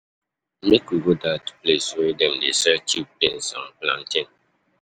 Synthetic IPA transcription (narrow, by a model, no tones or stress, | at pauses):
mekuɡodatu̥plesoedɛ̃mdesɛt͡ʃipẽnsã̰plã̰ntʰĩn